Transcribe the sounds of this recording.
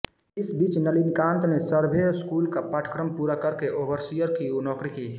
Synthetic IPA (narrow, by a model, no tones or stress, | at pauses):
ɪsbiːt͡ʃnəlinkãːnt̪nesəɾbʱeskuːlkapaʈʰkɾəmpuːɾakəɾkeʔobəɾsijəɾkiunɔːkɾiki